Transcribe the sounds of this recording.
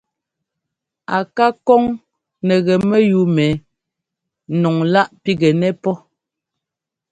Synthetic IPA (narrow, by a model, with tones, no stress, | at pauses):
a˨ka˦kɔ˦ŋ | nɛ˨ɣɛ˨mɛ˦ju˨˦mɛ˨˦ | nɔ˨ŋla˦ʔpi˦ɡɛ˨nɛ˦pɔ˦